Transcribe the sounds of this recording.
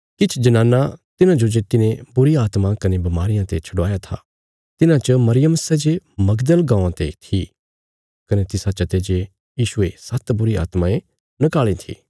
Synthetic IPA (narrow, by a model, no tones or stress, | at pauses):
kɪt͡ʃʰd͡ʒɐnaːnːat̪ɪnãd͡ʒod͡ʒeːt̪ɪnẽbʊɾiaːt̪mãkɐnebɐmaːɾɪjãt̪et͡ʃʰɐɽaːjat̪ʰa̰ | t̪ɪnãt͡ʃəmɐɾɪjəməsɛd͡ʒemɐɡd̪əlɡãːãt̪et̪ʰi | kɐnet̪ɪsat͡ʃɐt̪ed͡ʒe | jiːʃʊesɐt̪bʊɾia̰ːt̪maẽ | nɐkaːɭĩt̪ʰḭː